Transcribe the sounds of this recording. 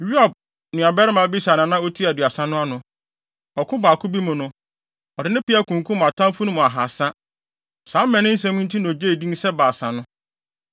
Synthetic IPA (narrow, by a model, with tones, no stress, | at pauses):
ju˦a˨b̚ | nɪ̃˨a˨bɛ˦ɾɪ˦mã˨˦bi˦snã˨nã˦o˦tʰi˦a˨dɥa˨sã˦nʊ̃˦a˦nʊ̃˨ | ɔ˨kʰʊ̃˦baː˨kʰʊ˦bi˦mʊ̃˨nʊ̃˦ | ɔ˨dɪ˨nɪ̃˦pi˦a˦kʰũ˨ŋkʰʊ˦mʊ̃˨a˨tʰã˦m˦fu˦nʊ̃˦mʊ̃˨a˨ɦa˨sã˦ | sã˨˦m̩˦mɛ̃˨nɪ̃˦n̩˦s̬ɛ̃˦mũ˦n˦tʰĩ˦n˨o˨d͡ʑe˦i˨dĩ˦n˦sɛ˦baː˨sã˨nʊ̃˦